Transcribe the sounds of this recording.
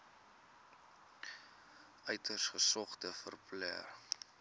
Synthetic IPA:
œɥtərsχəsɔχtəfərplɛ̰ər

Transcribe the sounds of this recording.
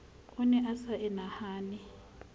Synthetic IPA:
ʊnɛʔasaʔɛnahaːni

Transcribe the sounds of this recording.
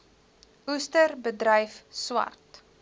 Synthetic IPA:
ustərbədrəjfswɐ̰rt

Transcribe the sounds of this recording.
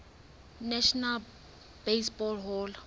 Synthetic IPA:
nɛʃnal | b̥esbɔlɦɔl

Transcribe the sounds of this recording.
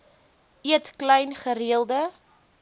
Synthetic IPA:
iətklɛjnχəɾiəlˠdə

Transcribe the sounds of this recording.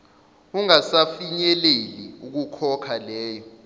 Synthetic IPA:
uŋasafiɲɛleliuk̬ukʰɔkʰalɛːjɔ

